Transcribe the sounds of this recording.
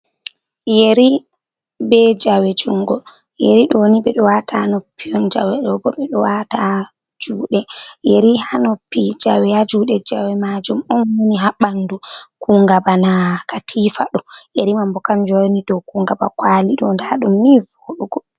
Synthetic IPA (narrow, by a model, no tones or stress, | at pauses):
jeɾi | bɛd͡ʒawɛd͡ʒuŋɡɔ | jeɾiɗɔwniɓɛɗɔwatanopːiɔnd͡ʒa̰wɛɗɔbɔɓɛɗɔwata | d͡ʒuːɗɛjeɾihanopːid͡ʒawɛjad͡ʒuːɗɛd͡ʒawɛmad͡ʒumɔnwoniɦaɓandukuŋɡabanakatʰifaɗɔjeɾimambɔkand͡ʒɔniɗɔkuŋɡaba̰kwaliɗɔndaɗumːivoɗuɡɔ